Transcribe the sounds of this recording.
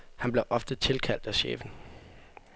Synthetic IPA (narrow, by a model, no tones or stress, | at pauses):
hænb̥le̝ʔɒ̽fd̥ət͡sʰe̝lkʰæl̰d̥æɕḛːfn̩